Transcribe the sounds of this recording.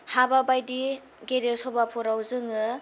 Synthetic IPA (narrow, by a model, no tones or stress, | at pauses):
hababajdi | ɡeɾelsɔbapʰuɾawzɯŋɯ